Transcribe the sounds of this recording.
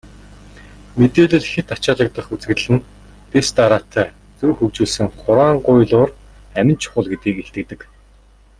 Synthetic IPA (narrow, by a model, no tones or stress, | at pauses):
met̪eːɮɘ̆ɮxet̪at͡ɕaːɮə̆k̚t̪ə̆χut͡sɡɣɘ̆ɮɘ̆n | t̪est̪aɾaːt̪ʰæː | t͡suːxɵkt͡ɕuːɮsɘ̆ŋχʊɾwaːɴɢʊjɮʊːr | æmʲɪ̆nt͡ɕʰʊ̥χʊ̆ɮɡet̪iːkeɬt̪ɘ̆k̚t̪ɘ̆k